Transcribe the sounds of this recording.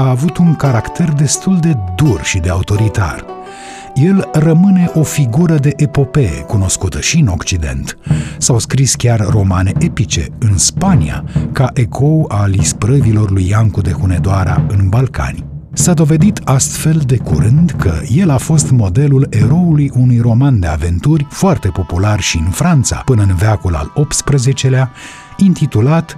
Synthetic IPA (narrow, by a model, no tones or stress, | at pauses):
aːvut̪uŋkaɾakt̪e̞rd̪e̞st̪uld̪e̞d̪urʃid̪e̞aut̪o̞ɾit̪a̰r | je̞lrəmɨne̞ʔo̞fiɡuɾəd̪e̞ʔepo̞pe̞ḛkuno̞skut̪əʃiɨno̞kt͡ʃid̪e̞̰nt̪sawskɾiskʲarːo̞mane̞ʔepit͡ʃe̞̰ɨnspanḭa̰kaʔe̞kʰo̞alispɾəvilo̞rlujːaŋkud̪e̞xune̞d̪oaɾa̰ɨnbalka̰nʲ | sad̪o̞ve̞d̪it̪ast̪fe̞ld̪e̞kṵɾɨnd̪kʰə̰je̞lafo̞st̪mo̞d̪e̞lule̞ɾo̞ulujunujro̞mand̪e̞ave̞nt̪urʲfoart̪e̞po̞pularʃiɨnfɾant̪sa̰pɨnəɨnveakula̰lo̞p̚t̪spɾəze̞t͡ʃe̞lea | int̪it̪ulat̪